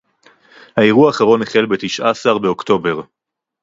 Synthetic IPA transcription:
haeʁuaːχaʁo̞neχe̞lbe̞t̪iʃʔaːsaʁbeo̞kto̞be̞ʁ

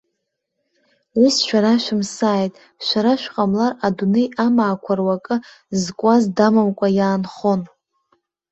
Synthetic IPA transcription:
wisʃᶣʷaɾaʃʷᶣɪmsaːjtʼ | ʃʷaɾaʃᶣqʼamlaradune̞jamaːkʷʰarwakʼɨ | zkʷʼazdamamkʷʼajaːnχo̞n

